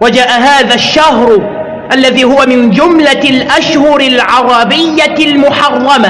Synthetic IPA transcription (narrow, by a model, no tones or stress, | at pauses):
wad͡ʒaːʔaɦaːðaːʃːahɾ | ʔalːaðiːhʊwamɪnd͡ʒʊmlalʔaʃhʊɾɪlʕɑɾˤɑbɪjːalmʊħɑrˤːɑma